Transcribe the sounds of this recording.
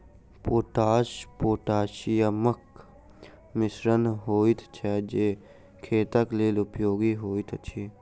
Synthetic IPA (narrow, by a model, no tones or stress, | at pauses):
poːʈaːʃpoːʈaːʃijəmək | mɪsɾənɦoːit̪t͡ʃʰɛd͡ʒeː | kʰeːt̪əkleːlʊpjoːɡiɦoːit̪ʰt͡ʃʰi